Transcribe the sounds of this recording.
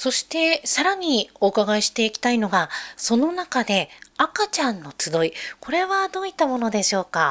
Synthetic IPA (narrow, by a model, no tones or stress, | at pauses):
so̞ɕi̥t̪e̞saɾaɲ̟io̞ɯkaɡaeɕi̥t̪e̞ikʲi̥t̪aino̞ɡaso̞no̞nakad̪e̞akat͡ɕãnːo̞t͡sɨd̪o̞iko̞ɾe̞βad̪o̞ːit̪ːamo̞no̞d̪e̞ɕo̞ːka